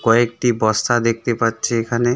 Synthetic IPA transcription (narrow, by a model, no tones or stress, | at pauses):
kɔek̚ʈibɔst̪ʰad̪ek̚ʰt̪epatːɕʰeekʰane